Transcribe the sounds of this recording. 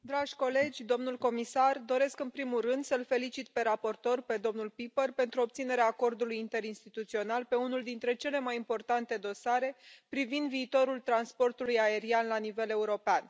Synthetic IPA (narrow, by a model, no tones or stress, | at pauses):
d̪ɾaʒʲko̞le̞d͡ʒʲd̪o̞mnulko̞misard̪o̞ɾe̞skɨnpɾimulrɨnd̪səlfe̞lit͡ʃit̪̚pe̞ɾapo̞rt̪o̞rpe̞d̪o̞mnulpipərpe̞nt̪ɾuop̚t̪sine̞ɾeaːko̞rd̪ulujint̪e̞ɾinst̪it̪ut̪sio̞nalpe̞unuld̪int̪ɾe̞t͡ʃe̞le̞majimpo̞rt̪ant̪e̞d̪o̞saɾe̞pɾivind̪viːt̪o̞ɾult̪ɾanspo̞rt̪ulujae̞ɾianlanive̞le̞uɾo̞pean